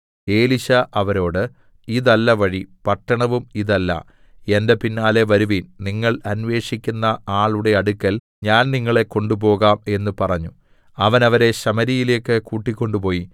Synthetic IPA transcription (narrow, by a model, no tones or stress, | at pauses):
e̞ːliɕɐʔɐʋɐɾo̞ːɽɨ | iðɐlːɐʋɐɻipɐʈːɐɳɐʋumiðɐlːɐ̰ | e̞nde̞pinːaːle̞ʋɐɾuʋiːnniŋːɐɭɐnʋe̞ːʂikʲːunːɐaːɭuɽe̞ɐɽukːɐl | ɲaːnniŋːɐɭe̞kːo̞ɳɖup̬o̞ːɣaːme̞nːɨpɐrɐɲːu | ɐʋɐnɐʋɐɾe̞ɕɐmɐɾijile̞ːkːɨkuːʈːikʲːo̞ɳɖupo̞ːji